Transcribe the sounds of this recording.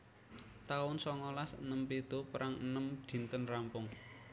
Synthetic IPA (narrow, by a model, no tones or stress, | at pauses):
t̪aʊnsɔŋɔlasnəmped̪̥o̤pɾʔaŋənəmd̪̥i̤nt̪ənrampʊŋ